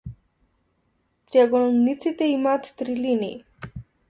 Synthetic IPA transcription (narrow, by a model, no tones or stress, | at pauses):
t̪ɾjaɡoɽ̃unnit͡sit̪eimat̪ːɾiline